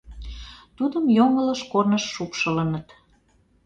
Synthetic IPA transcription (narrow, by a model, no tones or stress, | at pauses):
t̪ud̪əmjoŋələʃkornəʃːupʃələnət̪